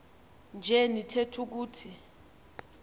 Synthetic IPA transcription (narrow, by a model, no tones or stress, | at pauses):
nd͡ʒʱɛnitʰetʰuk̬uːtʰi